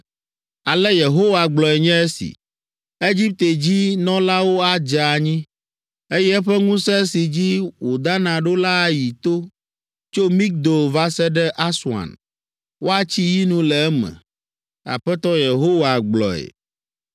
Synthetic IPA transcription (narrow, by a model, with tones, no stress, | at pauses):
a˨lɛ˦je˨ɦo˦wa˨ɡ͡blɔ˨ɛ˨ɲɛ̃˦ɛ˦sḭ˨ | e˦d͡ʑi˦p̚t̪e˨d͡ʑi˦nɔ̃˦la˦wo˦a˦d͡ʒa˨ɲĩ˦ | e˦jɛ˦ɛ˦ɸɛ˦ŋũ˦sɛ˦si˨d͡ʑi˦wo˨d̪a˦nã˨ɖo˦la˦ji˨t̪o˦ | t͡ʃo˦mĩ˦k̚d̪o˨va˦sɛ˦ɖɛ˦ʔa˦swa̰˨n | wo˦a˦t͡ɕi˦ji˦nũ˦lɛ˨ɛ˦mɛ̰̃˨ | a̰˨ɸɛ˦t̪ɔ˦je˨ɦo˦wa˨ɡ͡blɔ̰˨ɛ̰˨